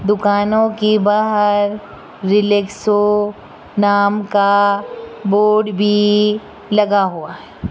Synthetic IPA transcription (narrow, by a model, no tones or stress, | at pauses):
d̪ʊkaːnõkebaːɦəɾː | ɪlekso | naːmka | boːɖbʱi | lɐɡaɦuaɦɛː